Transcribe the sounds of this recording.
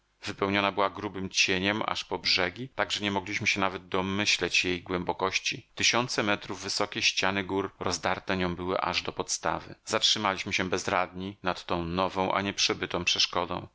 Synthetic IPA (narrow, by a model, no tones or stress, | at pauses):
vɘpɛwɲɔnabɘwaɡɾubɘmt͡ɕeɲɛma̰ʂpɔbʐɛɡʲit̪aɡʐɛɲɛmɔɡlʲiɕmɘɕɛnavɛd̪̚d̪ɔmɘɕlɛt͡ɕjejɡwɛmbɔkɔɕt͡ɕit̪ɘɕɔnt̪sɛmɛt̪ɾuvːɘsɔkʲɛɕt͡ɕanɘɡuɾːɔzd̪aɾt̪ɛɲɔ̃w̃bɘwɘ̰ʔa̰ʐd̪ɔpɔt̪st̪a̰vɘ̰zatʂɘmalʲiɕmɘɕɛbɛzɾad̪ɲinat̪ːɔ̃w̃nɔvɔ̃w̃ʔa̰ɲɛpʂɛbɘt̪ɔ̃w̃pʂɛʂkɔd̪ɔ̰̃w̃